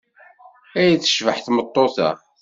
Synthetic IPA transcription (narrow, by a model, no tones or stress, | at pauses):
æjæθə̥ʃvəħθmət̪ˤːoθæ̰